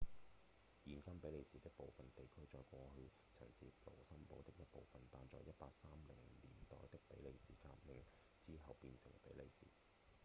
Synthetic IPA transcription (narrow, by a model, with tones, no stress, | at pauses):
jiː˨˩nkɐ˥mpe˨˥jle˨˧jsiː˨t̪ɪ˥k̚po˨wfɐ˨nt̪e˨jkʰɵ˥ɥt͡ʃɔː˧jkʷɔː˧hɵ˧ɥ | t͡sʰɐ̰˨˩jsiː˨lo̰˨˩wsɐ˥mlo˨˧wt̪ɪ˥k̚jɐ˥t̚po̰˨wfɐ˨nt̪aː˨˧nt͡sɔː˨jːɐ˥t̚paː˧k̚saː˥mlɪ˨˩ŋliː˨˩nt̪ɔ̰ː˨jt̪ɪ˥k̚pe˨˥jle˨˧jsḭː˨˩kaː˧t̚mɪ˨ŋ | t͡siː˥ɦɐ˨wpiː˧nsʰɪ˨˩ŋpe˨˥jle˨˧jsḭː˨˩